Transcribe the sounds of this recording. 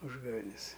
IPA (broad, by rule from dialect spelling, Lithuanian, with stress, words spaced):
ˈuːʒɡɐʋʲɛnʲɛs